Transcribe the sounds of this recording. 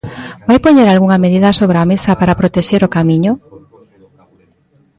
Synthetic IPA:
bajpoɲeɾalɣuŋɐmeðiðasoβɾeamesapaɾapɾot̪eʃeɾokamiɲʊ

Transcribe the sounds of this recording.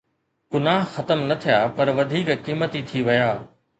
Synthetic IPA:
ɡʊnaːɦxɐt̪əmnɐt̪ʰijaːpɐɾʋɐd̪ʱiːkkiːmət̪it̪ʰiʋɐjaː

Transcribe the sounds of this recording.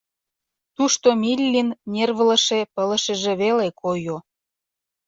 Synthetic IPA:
t̪uʃt̪omilʲːinːʲerβələ̆ʃepələ̆ʃəʒeβelekʰojo

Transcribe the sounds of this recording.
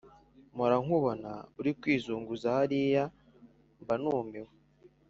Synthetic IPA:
muɾaŋ̥huβonauɾikwiːzuːŋɡuzaaɾija | mbanuːmewe

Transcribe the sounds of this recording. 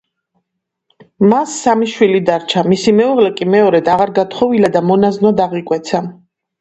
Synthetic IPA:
masːamiʃwilid̪aɾt͡ʃʰamisimɛuʁlɛkʼimɛɔɾɛd̪aʁaɾɡat̪ʰχɔvilad̪amɔnaznɔd̪aʁikʼwɛt̪sʰa

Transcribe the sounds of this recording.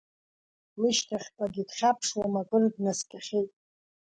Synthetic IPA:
wiʃtʰaχʲpʼaɡʲidχʲapʰʂwamakʼɨrdnaskʲʼaχʲejtʼ

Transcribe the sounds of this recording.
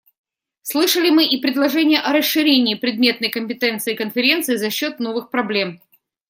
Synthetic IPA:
slˠɨʂəlʲɪmɨʔipɾʲɪd̪lˠɐʐɛnʲɪjəʔɐɾəsːɨɾʲenʲɪːpɾʲɪd̪̚mʲe̞t̪nəjkəmʲpʲɪt̪ɛnt̪sɨːkənfʲɪɾʲe̞nt̪sɨːzɐɕːo̞t̪no̞vɨxpɾɐblʲe̞m

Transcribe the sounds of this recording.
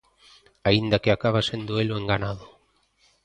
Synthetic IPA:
aind̪akeakaβ̞asend̪oeloeŋɡanað̞ʊ

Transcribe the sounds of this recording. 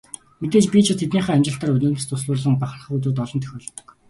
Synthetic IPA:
met̪eːt͡ɕpʲit͡ɕʰɪ̆t̪ʰet̪niːχæːæmt͡ɕɪ̆ɬt̪aːrɵnɵ̆ːmst̪ʰʊs̬ɮʊːrɮə̆ŋpaχə̆rχ̆ut̪uːt̪ɔɮɞ̆nt̪ʰœ̥xʲoːɮ̆t̪ɞ̆k

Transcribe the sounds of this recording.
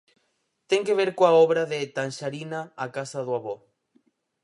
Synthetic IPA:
t̪eŋkeβeɾkoaoβɾaðet̪anʃaɾinaːkasaðwaβo

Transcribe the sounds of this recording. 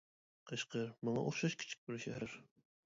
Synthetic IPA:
qʰəʃqəɾmɑŋɑ̰ʔoχʃɑʃkʲʰɪ̥t͡ʃʰɪ̥k̚ʲbɪɾʃæhæɾ

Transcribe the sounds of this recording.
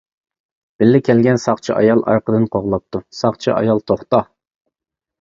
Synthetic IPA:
b̥ɪlːɪkʲʰɛlɡʲɛnsɑχt͡ʃʰiʔɑ̰jɑlˠɑ̰ɾqəd̪ɨnqʰoʁlˠɑp̚t̪usɑχt͡ʃʰiʔɑ̰jɑlˠt̪ʰoχt̪ɑ

